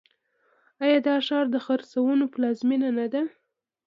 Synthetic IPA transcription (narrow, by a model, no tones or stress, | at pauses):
ajɑd̪ɑʃɑɾd̪əxaɾsawənopəlɑzminanad̪a